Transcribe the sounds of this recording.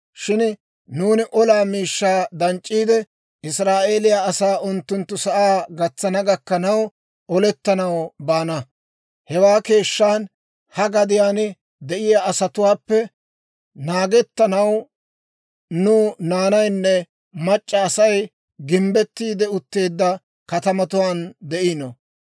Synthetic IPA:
ʃɪn | nuːnɪʔɔlaːmiːʃːaːd̪ɐnt͡ʃʼːiːd̪ɛ | ɪsɾaːʔe̞ːlɪjaːɐsaːʔʊnt̪ːʊnt̪ːʊsɐʔaːɡɐt͡sːɐnɐɡɐkːɐnɐw | ɔlɛt̪ːɐnɐwbaːnɐ | hɛwaːke̞ːʃːaːn | hɐɡɐd̪ɪjaːnɪ | d̪ɛʔɪjaːʔːsɐt̪ʊwaːpːɛ | naːɡɛt̪ːɐnɐw | nʊnaːnɐjnːɛ | mɐt͡ʃʼːɐːsɐj | ɡɪmbɛt̪ːiːd̪ɛʊt̪ːe̞ːd̪ːɐ | kɐt̪ɐmɐt̪ʊwaːnd̪ɛʔinɔ

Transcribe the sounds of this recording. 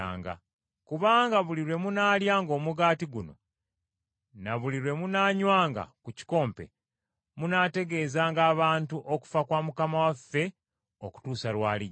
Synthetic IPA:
a̰ːŋɡa̰ | kuβaːŋɡaβuliɾwe̞munaːljaːŋɡo̞ːmuɡaːtiɡuno̞̰ | naβuliɾwe̞munaːɲwaːŋɡa̰kuci̥ko̞ːmpe̞̰ | munaːte̞ɡe̞ːzaːŋɡaːβaːntuʔo̞ku̥fakwaːmukamawafːe̞ | oku̥tuːsalwaːli

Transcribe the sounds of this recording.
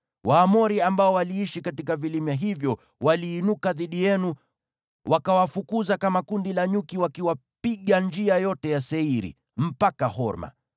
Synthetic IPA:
waːmɔɾiambaɔwaliiʃikatikavilimjaɦivjɔ | waliːnukaðiɗijɛnu | wʔakawafukuzakamakundilaɲukiwakiwapiɠand͡ʒiajɔtɛjasɛiɾḭ | m̩pakahɔ̰ɾma̰

